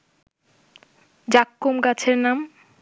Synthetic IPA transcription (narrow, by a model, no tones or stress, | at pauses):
d͡ʑakːomkat͡ɕʰeɾnam